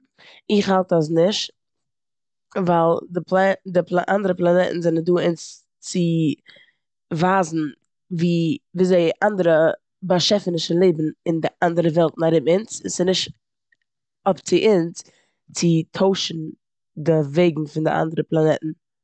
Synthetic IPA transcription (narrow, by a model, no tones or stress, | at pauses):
ɪχhalˠtas̬nɪʃt | valˠdɪpldɪplˠaʔa̰ndəɾəplˠanɛʔn̩zɛnənduːɪnt͡s | t͡sɪ | vaːzn̩ | viːviːzeɪʔandəɾə | baʃɛfənɪʃəlˠeɪbn̩ɪndɪʔandəɾəvɛlˠtnaɾɪbɪnt͡ssɪnɪʃt | ɔpt͡sɪʔɪnt͡s | t͡sɪtʰoʊʃn̩ | dɪveɪɡŋ̩fɪndɪ̰ʔa̰ndəɾəplˠanɛtn̩